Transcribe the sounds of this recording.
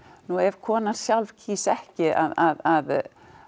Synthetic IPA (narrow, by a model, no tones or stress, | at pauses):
nuɛv̥kʰɔːnaðsjalv̥cʰiːsɛhcɪʔa̰ðaðað